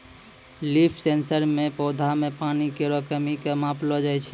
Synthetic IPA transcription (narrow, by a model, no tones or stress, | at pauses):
lipʰsensəɾmẽpɔd̪ʱamepanikeɾəkəmikemãplɔd͡ʒajt͡ʃʰ